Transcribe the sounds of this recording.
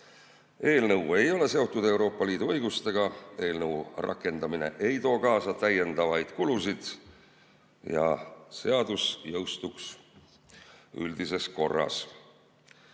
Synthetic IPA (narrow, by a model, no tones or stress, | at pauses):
e̞ːlnɤwe̞jo̞le̞se̞o̞t̪ːˑud̪̥e̞wɾo̞ːpːˑɑliːd̪uɤ̞jɡust̪e̞ɡ̥ɑe̞ːlnɤwrʔɑ̰kːˑe̞nd̪̥ɑmine̞̰ʔe̞jt̪o̞ːkɑːsɑt̪æjːe̞nd̪̥ɑvɑjd̪̥kulusid̪̥ | jɑ̰se̞ɑd̪̥usjɤwst̪uks | yld̪̥ise̞sko̞rːɑ̰s